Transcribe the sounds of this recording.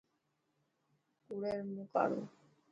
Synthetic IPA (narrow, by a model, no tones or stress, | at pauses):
kuɽeɾmuka̰ɽṵ